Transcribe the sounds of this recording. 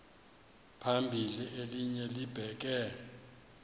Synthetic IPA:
pʰambʱiliʔeliɲɛlib̥ʱɛk̬ɛ

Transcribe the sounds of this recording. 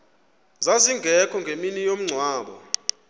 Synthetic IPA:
zaziŋɡʱɛkʰɔŋɡʱeminijom̩ŋ͡ǀʱwaːɓɔ̰

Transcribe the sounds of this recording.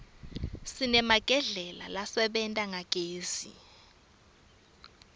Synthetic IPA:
sinɛmaɡ̥ʱɛɮɛla̰lasɛɓɛntʼaŋʱakʼeːzḭ

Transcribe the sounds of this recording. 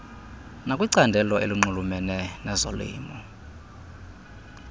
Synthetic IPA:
nakʼwiǀandʱɛlɔeliŋ͡ǃulumɛnɛnɛzɔlḭːmɔ

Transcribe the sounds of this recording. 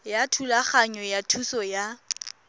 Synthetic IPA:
jatʰulaχaɲɔjatʰusɔja

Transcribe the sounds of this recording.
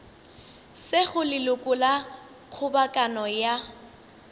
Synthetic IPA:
sɪɣʊlɪlʊkʼʊla | q͡χʰʊbakʼanɔja

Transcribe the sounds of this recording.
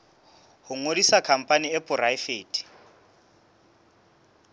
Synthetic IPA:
hʊŋodisakʰam̩pʼaniɛpʼʊraifeːtʰʼi̥

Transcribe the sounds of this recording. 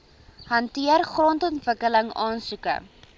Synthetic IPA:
ɦɐntiərχrɔntɔntvəkələŋɑːnsukə̰

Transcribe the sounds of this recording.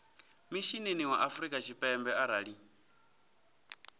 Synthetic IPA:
miʃineniwaʔafuɾikʼat͡ʃʰipʼɛmbɛaɾaɺi

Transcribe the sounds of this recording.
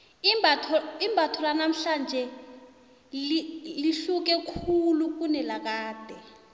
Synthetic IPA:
ibʱaimbʱatʰɔlanam̩ɬand͡ʒʱɛ | iliɬuk̬ɛkʰuluk̬unɛlak̬aːd̥ʱɛ

